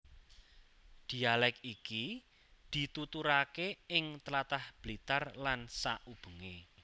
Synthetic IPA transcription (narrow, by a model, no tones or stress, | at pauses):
d̪̥i̤alɛkiki | d̪̥i̤t̪ut̪uɾakeɪŋt̪lat̪ahb̥lit̪arlansaʔub̥ə̤ŋe